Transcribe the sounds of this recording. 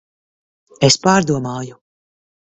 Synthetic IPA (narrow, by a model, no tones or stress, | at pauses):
espaːɾd̪uɔmaːju